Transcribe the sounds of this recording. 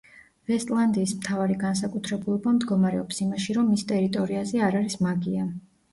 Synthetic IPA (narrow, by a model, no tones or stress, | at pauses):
vɛst̪ʼlˠand̪iːsmt̪ʰavaɾiɡans̬akʼut̪ʰɾɛbulˠɔbamd̪ɡɔmaɾɛɔpsimaʃiɾɔmːist̪ʼɛɾit̪ʼɔɾiazɛaɾaɾismaɡia